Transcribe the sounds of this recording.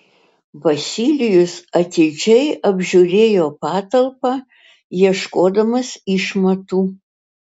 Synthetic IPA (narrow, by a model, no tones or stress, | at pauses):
bɐsʲiːlʲɪjʊsɐt̪ʲɪd͡ʒʲɛɪʔɐbʲʒʲuːɾʲeːjoːpɑːt̪ɐlˠpɑː | jiɛʃkoːd̪ɐmɐsiʃmɐt̪uː